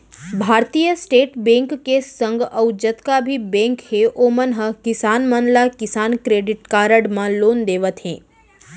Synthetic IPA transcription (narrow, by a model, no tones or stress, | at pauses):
bʱaːɾt̪ijəsʈeːʈbẽŋkːesə̃ŋɡəʊd͡ʒət̪kabʱibẽːŋkɦeʔoːmənɦəkɪsaːnmənlakɪsaːnkɾeːɖɪʈkaːɾəɽmãloːnd̪eːʋət̪ɦḛ̃ː